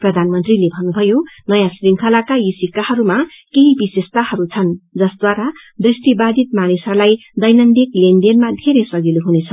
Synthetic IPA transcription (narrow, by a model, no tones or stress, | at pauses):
prʌd̪ʱanmʌnt̪rilebʱʌnːubʱʌjonʌjãsriŋkʰʌlakajisikahʌɾuma | keɦibisest̪ahʌɾut͡sʰʌnd͡zʌsd̪waɾa | d̪risʈibad̪ʱit̪manisʌlajd̪ʌjnʌnd̪iklenɖenmad̪ʱeɾesʌɡiluɦunet͡sʰʌ